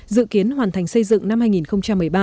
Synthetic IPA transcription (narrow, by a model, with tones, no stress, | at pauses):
zɨ̰˧˨ki˨˦ənɦwaː˨˩nt̪ʰa˨˩jŋ̟sə˧jzɨ̰˧˨ŋna˧mhaː˧jŋi˨˩nxə˧wŋ͡mt͡ɕa˧mːɨ˨˩əjɓaː˧